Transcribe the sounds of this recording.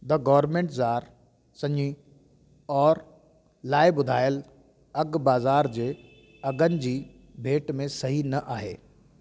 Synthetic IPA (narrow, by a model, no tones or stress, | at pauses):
d̪ɐɡɔːʋɾmẽːɳʈzaːɾ | sɐ̃ɲĩ | ɔːɾ | laːɪbʊd̪ʱaːjəl | ɐɡbaːzaːɾd͡ʑeː | ɐɡənɪ̆d͡ʑiː | bʱeːʈmẽsɐɦinɐʔaːɦeː